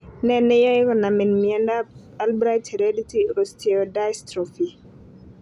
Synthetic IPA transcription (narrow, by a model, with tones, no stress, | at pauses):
nɛ˦˨nɛ˦ja˦ɾɔ˨na˨mɛ˨nmi˨ɛ˦nda˦ | a˨lbɾa˦jthɛ˨ɾe˦di˦ti˦ɾostʰeoda˦jstɾɔ˨fi˨